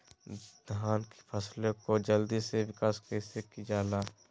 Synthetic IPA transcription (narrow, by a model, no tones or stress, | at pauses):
d̪ʱaːnki̥pʰəslẽkod͡ʒəld̪iseʋɪkaːskɛsekid͡ʒaːlaː